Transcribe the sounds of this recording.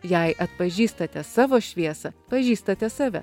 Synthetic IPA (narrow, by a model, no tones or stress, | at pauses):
jɛɪʔɐt̪̚pɐʒʲiːst̪ɐt̪ʲɛsɑːʋoːʃʲʋʲiɛsɐpɐʒʲiːst̪ɐt̪ʲɛsɑːʋʲɛ̰